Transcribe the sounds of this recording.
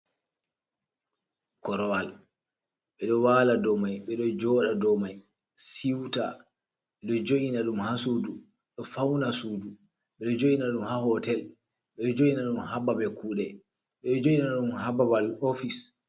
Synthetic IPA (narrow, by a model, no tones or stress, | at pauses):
kɔɾɔwal | ɓɛɗɔwaladɔmajɓɛɗɔd͡ʒɔːɗadɔmaj | siwta̰ | ɓɛɗɔd͡ʒoʔinaɗumhasudu | ɗɔfawnasuːdu | ɓɛɗɔd͡ʒoʔinaɗumhahɔtɛl | ɓɛɗɔd͡ʒoʔinaɗumhababɛkuːɗɛ | ɓɛɗɔd͡ʒoʔinaɗumhababalofis